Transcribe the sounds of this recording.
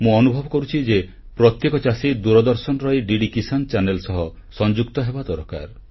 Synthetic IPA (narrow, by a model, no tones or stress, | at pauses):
mũɔnubʱɔbɔkɔɾut͡ʃʰid͡ʒe | pɾɔt̪jekɔt͡ʃasid̪uɾɔd̪ɔɾsɔnɔɾɔiɖiɖikisant͡ʃanelsɔɦɔ | sɔnd͡ʒukt̪ɔɦebad̪ɔɾka̰ɾ